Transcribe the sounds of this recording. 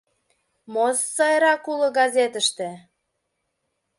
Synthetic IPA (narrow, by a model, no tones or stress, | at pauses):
mosːɑjɾɑkulɤ̆ɡɑzʲet̪ə̆ʃt̪ĕ